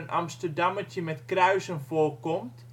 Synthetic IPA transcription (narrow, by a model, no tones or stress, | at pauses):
ənɑ̰mstərdɑmət͡ʃəmɛtkrœɥsənfoːrkɔmtt